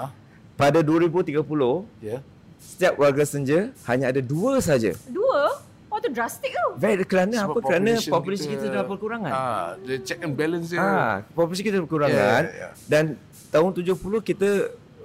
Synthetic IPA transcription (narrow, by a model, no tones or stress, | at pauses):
padaduəɾibut̪iɡapulʊh | sə̥t̪iap̚warɡasəɲd͡ʒəhaɲaadaduəsaɦad͡ʒa̰duə | wɔt̪udɾast̪ik̪̚uvɛkəɾanəaəkəɾanə̃pɔpulasikit̪adəlapərkəuɾaŋãndet͡ʃɛkənbɛlə̃nsapɔpulas̬ikit̪əpəkəuɾaŋan̰dan | t̪aɦʊnt̪ud͡ʒʊhpulʊhkit̪ə